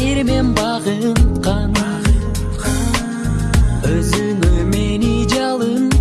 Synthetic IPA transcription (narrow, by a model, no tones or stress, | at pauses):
eɾmenbɑʁɯnqʰɑn | øzynømenid͡ʒɑlˠɯn